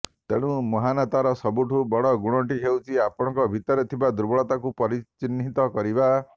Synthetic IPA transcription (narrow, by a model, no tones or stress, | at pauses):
t̪eɽ̃ũmɔɦanat̪aɾɔsɔbuʈʰubɔɽɔɡuɽ̃ɔʈiɦewt͡ʃʰiapɔɽ̃ɔ̃ŋkɔbʱit̪ɔɾet̪ʰibad̪uɾbɔɭɔt̪akupɔɾit͡ʃinːit̪ɔkɔɾiba